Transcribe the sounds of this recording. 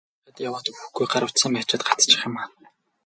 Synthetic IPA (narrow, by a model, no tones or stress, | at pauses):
at̪jawaːt̪uxɡujɢaɾə̆w̥t̪siːŋmpæːt͡ɕɪːt̪̚ɢḁt͡st͡ɕɪ̆χɪ̆maːn